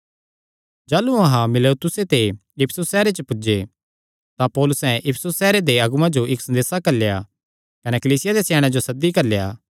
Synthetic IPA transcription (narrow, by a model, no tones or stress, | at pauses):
d͡ʒaːluɐɦãmɪlet̪ʊset̪eɪpʰsʊsːɛːɾet͡ʃəpʊd͡ʒe | t̪ãpɔːlʊsɛ̃ʔɪpʰsʊsːɛːɾed̪eɐɡʊmãd͡ʒoɪksɐ̃nd̪eːsakɐɾleja̰ | kɐnekɐliːsɪjad̪esɛːɽ̃ãd͡ʒosɐd̪ːikɐɾlejaː